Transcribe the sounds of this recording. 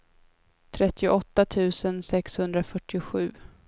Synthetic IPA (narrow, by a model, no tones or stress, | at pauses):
t̪ʰɾɛt̪ːɪʊʔɔt̪ːat̪ʰʉ̟ːsənsɛkshɵnd̪ɾafœʈːɪʊɧʉ̟̰ː